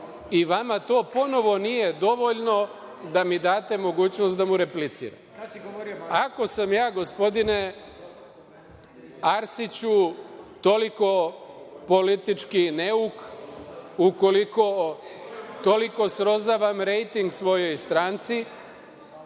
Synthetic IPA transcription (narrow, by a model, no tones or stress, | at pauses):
iʋamat̪o̞ːpo̞no̞ʋo̞nije̞d̪o̞ʋo̞ʎno̞ | d̪amid̪aːt̪e̞mo̞ɡuːt͡ɕnost̪d̪amuɾe̞plit̪sḭːɾa̰m | ako̞samjaːɡo̞spo̞d̪ine̞ | aɾsit͡ɕut̪o̞liko̞po̞lit̪it͡ʃkineuk | uko̞liko̞ | t̪o̞liko̞sɾo̞zaʋamɾe̞jt̪iŋɡsʋo̞jo̞jst̪ɾaːnt̪si